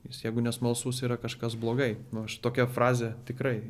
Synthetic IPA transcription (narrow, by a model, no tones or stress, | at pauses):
jɪsjɛɪɡʊnʲɛsmɐlˠsuːsiːɾɐkɐʃkɐsblˠoːɡɐɪnʊɐʃt̪oːkʲɛfrɑːzʲet̪ʲɪkɾɐɪ